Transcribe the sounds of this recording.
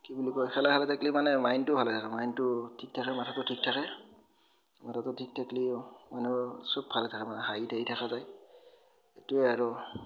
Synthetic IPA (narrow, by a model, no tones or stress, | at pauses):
kibulikɔjxʰɛlaalɛtaklimanɛmajntʊbʱalɛtʰakɛmajntʊtʰik̚tʰakɛmatʰatʊtʰik̚tʰakɛ | matʰatʊtʰik̚tʰaklimanusɔb̚bʱalɛtʰakɛmanɛɦajitʰaitʰakazaj | etuɛaɹɔ